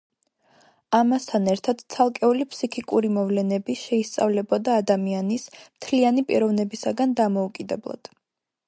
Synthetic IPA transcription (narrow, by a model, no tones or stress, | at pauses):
amast̪ʰanɛɾt̪ʰad̪̥t̪sʰalˠkʼɛulipʰsikʰikʼuɾimɔvlɛnɛbiʃɛist̪sʼa̰vlɛbɔd̪aːd̪amianismt̪ʰlianipʼiɾɔvnɛbisaɡand̪amɔukʼid̪ɛblˠa̰d̪̥